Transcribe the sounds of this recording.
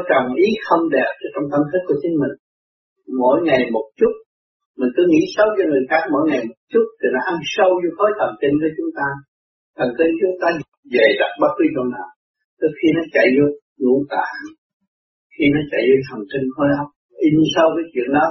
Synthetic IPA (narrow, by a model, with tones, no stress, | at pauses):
t͡ɕɔ˨˩ŋ͡mʔi˨˦xə˧wŋ͡mɗɛ˨˩p̚t͡ɕɔ˧˦t͡ɕɔ˧wŋ͡mt̪ʰə˧nt̪ʰi˦˥ku˧˩ət͡ɕï˨˦ŋ̟mï˨˩ŋ̟ | mo̰˧˥jŋa˨˩jmo˨˩t̚t͡ɕʊ˦˥t̚ | mï˨˩ŋ̟k̪ɨ˨˦ŋḭ˧˥sə˧wt͡ɕɔ˧ŋɨ˨˩əjxaː˦˥k̚mo̰˧˥jŋa˨˩jmo˨˩t̚t͡ɕʊ˦˥t̚t̪ʰi˨˩nɔ˨˦ʔa˧ŋsə˧wzo˧jxo˨˦jt̪ʰə˨˩mki˧ŋku˧˩ət͡ɕʊ˨˦ŋ͡mt̪aː˧ | t̪ʰə˨˩ŋki˧ŋt͡ɕʊ˨˦ŋ͡mt̪aː˧ | ve˨˩ɗa˨˦˩t̚ɓaː˦˥t̚kwi˧˨˦kə̰˧˩naː˨˩w | t̪o˨˦xi˧nɔ˨˦t͡ɕa̰˧˨jzo˧˦j | ŋṵ˧˩˥əŋt̪a̰ː˧˨ŋ | xi˧nɔ˨˦t͡ɕa̰˧˨jzo˧˦jt̪ʰə˨˩ŋki˧ŋ̟xɔ˧˦jhə˨˦wk͡p̚ | ʔi˧sə˧wkaː˨˦jt͡ɕwḭ˧˨ənɗɔ˨˦